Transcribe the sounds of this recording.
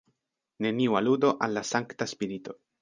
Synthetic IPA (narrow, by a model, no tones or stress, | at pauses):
ne̞niualudo̞ʔalːasaŋktaspiɾito̞